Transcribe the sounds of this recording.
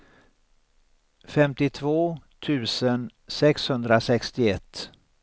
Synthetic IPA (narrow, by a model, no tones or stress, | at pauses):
fɛmt̪ɪt̪ʰvoːt̪ʰʉ̟ːsən | sɛkshɵnd̪ɾasɛkst̪ɪɛt̪ː